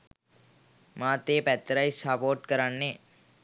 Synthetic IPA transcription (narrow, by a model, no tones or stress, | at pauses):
mãt̪epɛt̪ːɾajsapoːɾʈkəɾanːe